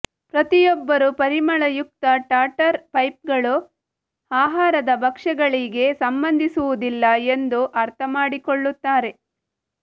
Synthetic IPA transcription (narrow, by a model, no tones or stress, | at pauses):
pɾɐt̪ijɔbːɐɾupɐɾimɐɭɐjuk̚t̪ɐʈaːʈɐɾpɐjp̚ɡɐɭu | aːɦaːɾɐd̪ɐbʱɐkʂɐɡɐɭiɡe̞sɐmbɐnd̪ʱisuʋud̪ilːɐe̞nd̪uʔɐɾt̪ʰɐmaːɽikoɭːut̪ːaːɾe̞